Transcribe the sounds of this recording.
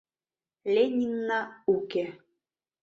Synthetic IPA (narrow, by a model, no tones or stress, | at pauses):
lʲenʲinːauke